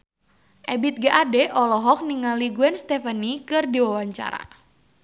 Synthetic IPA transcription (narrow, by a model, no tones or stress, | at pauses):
ʔɛbit̪̚ɡaʔadɛʔɔlɔɦɔk̚niŋaliɡuɛnst̪ɛfanikɨrdiwawaɲt͡ʃa̰ɾa̰